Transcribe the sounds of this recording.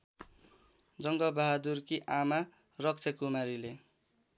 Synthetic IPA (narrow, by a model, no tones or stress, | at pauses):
d͡zʌŋɡʌbaɦad̪urkiʔama | rʌkt͡sʰʌkumaɾile